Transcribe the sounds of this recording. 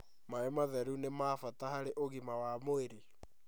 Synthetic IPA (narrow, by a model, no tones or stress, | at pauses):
maemaðɛɾunemaːfatahaɾeʔoɣimawamoeɾe